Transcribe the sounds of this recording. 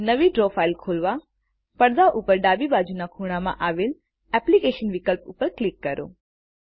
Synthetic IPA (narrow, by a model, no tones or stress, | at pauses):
nəʋiʈɾofailkʰolʋa | pəɽd̪aʔupəɾɖabibad͡ʒunakʰuɽ̃amã̰ʔaʋel | ɛplikeʃənʋɪkəlpupəɾklikːəɾo̰